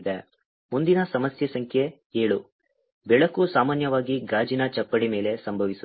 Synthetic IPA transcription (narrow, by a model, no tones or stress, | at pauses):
d̪e | mund̪inɐsɐmɐsjɐsɐŋkʰje | eːɭu | bɛɭɐkusaːmaːnjɐʋaːɡiɡaːd͡ʒinɐt͡ʃɐpːɐɽimeːle̞sɐmbʱɐʋisu